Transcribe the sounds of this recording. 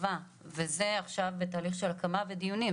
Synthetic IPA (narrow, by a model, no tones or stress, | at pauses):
va | veze̞aχʃavbetaːliχʃe̞lakamaved̪ijuni